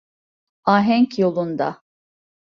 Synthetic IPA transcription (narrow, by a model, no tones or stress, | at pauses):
aːɦɛɲcjo̞lˠund̪a̰